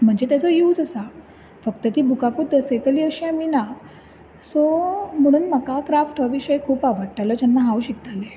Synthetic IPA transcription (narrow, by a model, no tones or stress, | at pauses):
m̤əɳd͡zet̪jat͡sɔjuːd͡zəsa | fəkt̪ət̪iːbʱukakuːt̪əset̪əliːəɕiamina | sɔm̤əɽ̃uːnməkakɾafʈʰəʋiɕəjkʰuːpaʋəɽʈaləːd͡ʑanːaɦawɕik̚t̪ale